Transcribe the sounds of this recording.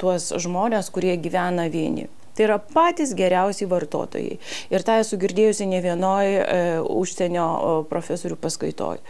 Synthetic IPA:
t̪uɔsʒmoːnʲeːskʊɾʲiɛɡʲiːʋʲæːnɐʋʲiɛnʲɪ̰ | t̪ɐɪiɾɐpɑːt̪ʲɪsɡʲɛɾʲɛʊsʲɛɪʋɐrt̪o̰ːt̪o̰ːjɛ̰ɪɪɾt̪ɑːɛsʊɡʲɪɾʲd̪ʲeːjʊsʲɪnʲɛʋʲiɛnoːjʊʃʲsʲɛnʲoːpɾoːfʲæsoːɾʲuːpɐskɐɪt̪o̰ːj

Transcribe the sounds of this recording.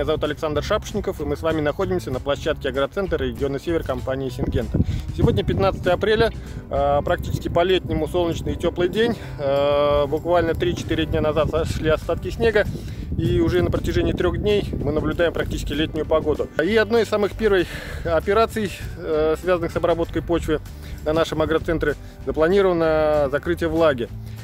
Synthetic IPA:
jazɐvut̪ɐlʲɪksand̪rʂapə̥ʂnʲɪkəfɨmɨsvamʲɪnɐxo̞dʲɪmsʲənəplˠɐɕːat̪̚kʲɪɐɡɾət̪sɛnt̪rɾʲɪɡʲɪo̞nːəsʲevʲɪrkɐmpanʲɪɪːsʲɪnɡʲe̞nt̪əsʲɪvo̞dʲnʲəpʲɪt̪nat̪sə̥t̪əjɐpɾʲelʲə | pɾɐk̚tʲi̥t͡ɕɪ̥skʲɪpɐlʲetʲnʲɪmʊso̞lˠnʲɪt͡ɕnɨjɪtʲo̞plˠɨjdʲenʲ | bʊkvalʲnət̪ɾʲit͡ɕɪ̥t̪iɾʲɪdʲnʲanɐzat̪sɐʂlʲiɐst̪at̪kʲɪsʲnʲe̞ɡə | iʊʐɛnəpɾətʲɪʐɛnʲɪjət̪ɾʲo̞ɣdʲnʲejmɨnəblʲʊd̪aɪmpɾɐk̚tʲit͡ɕɪskʲɪlʲetʲnʲʊjʊpɐɡo̞d̪ʊiɐd̪no̞jɪsamɨxpʲe̞rvəjɐpʲɪɾat̪sɨjsvʲazənɨxsɐbɾɐbo̞t̪̚kəjpo̞t͡ɕvʲɪ | nɐnaʂɨmɐɡɾət̪sɛnt̪ɾʲɪ | zəplˠɐnʲiɾəvənːəzɐkɾɨtʲɪjəvlˠaɡʲɪ

